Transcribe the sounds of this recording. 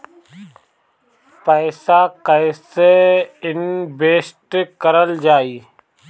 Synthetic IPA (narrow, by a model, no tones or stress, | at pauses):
pəːsaːkəɪseɪnbeːsʈkəɾəld͡ʒaːiː